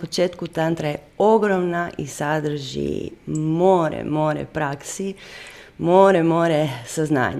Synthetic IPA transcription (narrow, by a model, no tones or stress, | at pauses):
pot͡ʃeːt̪kut̪ant̪ɾaje | oɡɾomnaʔisad̪ɾ̩ʒḭmoɾḛmoɾḛpɾaksi | moɾemoːɾesazna̰ːɲ